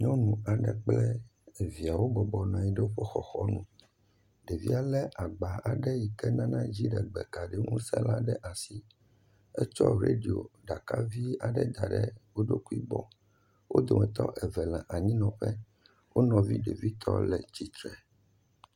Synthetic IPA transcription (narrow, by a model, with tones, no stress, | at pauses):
ɲɔ̃˦nũ˨a˨ɖɛ˨k͡plɛ˦˨vi˨a˨wo˦bɔ˨bɔ˨nɔ̃˨ji˨ɖɛ˦wo˦ɸɔ˦xɔ˨xɔ˦nũ˦˨ | ɖe˨vi˦a˨lɛ˦ʔa˨ɡ͡ba˨a˨ɖɛ˦ji˨kɛ˦nã˦nã˦d͡ʑi˦ɖɛ˨ɡ͡bɛ˨ka˨ɖɛ˦ŋõ˦sɛ̰˦la˦ɖɛ˦ʔa˨si˦ | ɛ˦t͡ʃɔ˦ɾe˦ɖi˨o̰˨ɖa˨ka˦vi˦a˨ɖɛ˦d̪a˨ɖɛ̰˦wo˦ɖo˦ku˦i˦bɔ˨ | wo̰˦d̪o˨mɛ̃˨t̪ɔ̰˦ʔɛ˨vɛ˨lã˨ʔa˨ɲĩ˦nɔ̃˨ɸɛ˦ | wo˦nɔ̃˨vḭ˦ɖe˨vi˦t̪ʰɔ̰˦lɛ˨t͡ɕi˨t̪ɾɛ˨